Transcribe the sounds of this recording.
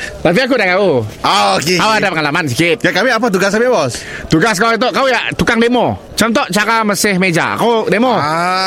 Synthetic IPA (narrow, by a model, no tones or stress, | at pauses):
t̪ap̬iak̬udakauaokekauadapəŋalamans̬ikɪt̪̚jakamiap̬at̪̬uɡaskamibɔs | t̪uɡaskauit̪̬ɔʔkaujaʔt̪ukaŋdemɔ | t͡ʃɔnt̪̬ɔʔt͡ʃakamasɪhmed͡ʒa̰kawdemɔ